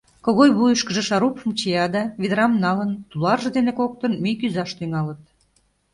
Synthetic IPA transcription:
koɣojβujəʃkə̆ʒə̆ʃɑɾupəmt͡ɕiɑd̪ɑβid̪ɾɑmnɑlənt̪ulɑrʒə̆d̪enekok̚t̪ənmijkyzɑʃt̪yŋɑlət̪̚

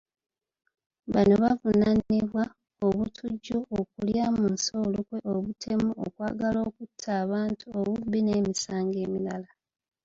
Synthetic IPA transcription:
βa̰no̞βavunaniβwa | oβutʰuɟːuok̚uljamunsolukwe̞ʔoβutʰe̞muo̰kwa̰ːɡalo̞ːkutʰːaːβaːntʰuoβubine̞ːmisaːŋɡe̞ːmilala

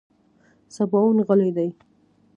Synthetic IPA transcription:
sabɑwnɣəlejd̪aj

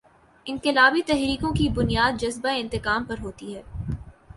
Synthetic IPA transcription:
ɪ̃ŋqɪlaːbit̪ɛɦɾiːkõkibʊnijaːd̪̚d͡ʒɐzbaɪ̃nt̪ɪkaːmpɐɾɦoːt̪iɦɛː

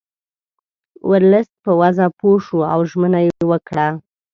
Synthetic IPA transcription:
wʔəɾləst̪̚pəwazapoʃuawʒmənajeewəkɽa

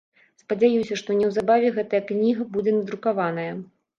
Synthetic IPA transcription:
spɐd͡zʲajusʲɐʂt̪ɔnʲɛwzabavʲɛɣɛt̪ɐjɐknʲiɣɐbud͡zʲɛnɐd̪ɾukavan̪ɐjɐ

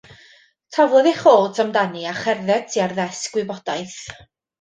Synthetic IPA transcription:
tʰavlˠɔðɛχoːlˠtʰamdaniaχɛrðɛtʰiarðɛsɡwɪbɔd̥ajθ

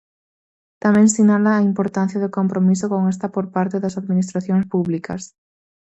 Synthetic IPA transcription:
t̪amẽŋsinalaːimpoɾt̪anθjaðʊkompɾomisokoŋes̬t̪apoɾpaɾt̪eðɐsaðminist̪ɾaθjõŋspuβlikɐs

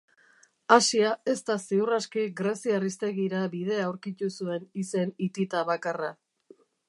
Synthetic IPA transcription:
asiae̞st̪aseuraskiɡɾe̞siarist̪e̞ɣiɾabið̞e̞aːwɾkit̪usue̞nise̞nit̪it̪aβakara

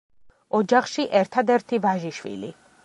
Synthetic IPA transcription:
ɔd͡ʒaχʃiʔɛɾt̪ʰad̪ɛɾt̪ʰivaʒiʃwḭlḭ

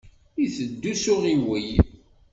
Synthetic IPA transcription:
iθəd̪ːusʊʁiwij

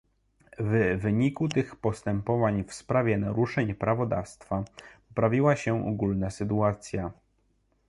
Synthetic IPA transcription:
vvɘɲikut̪ɘxpɔst̪ɛmpɔvaɲfspɾavʲjɛnaɾuʂɛɲpɾʔavɔd̪a̰fst̪fapɔpɾavʲiwaɕɛʔɔ̰ɡulnasɘt̪uat̪sʲja

